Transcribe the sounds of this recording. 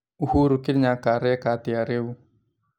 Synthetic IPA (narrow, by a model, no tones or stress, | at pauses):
uhuɾukilɲakaɾɛkat̪iaɾeu